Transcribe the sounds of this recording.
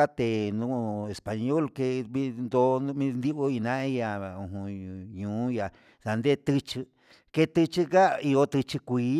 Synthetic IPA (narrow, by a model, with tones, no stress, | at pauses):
a˦t̪e˨nũ˧e˨spa˨ɲo˦˨lke˧βi˦nd̪o˧˦˧mĩ˦˧nd̪i˦o˦i˧nã˦i˧ja˧˨ũ˨ɦũ˧ɲũː˨˦ja˨ | ða˨nd̪e˦t̪ɨ˧t͡ʃi˧ | ke˧t̪ɨ˧t͡ʃi˧ka˦i˧o˧t̪ɨ˧t͡ʃi˧kʷiː˧˦